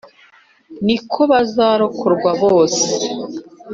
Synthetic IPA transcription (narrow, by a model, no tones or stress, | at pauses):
nikʰo̞βazaːɾo̞kʰoɾɡwaβoːse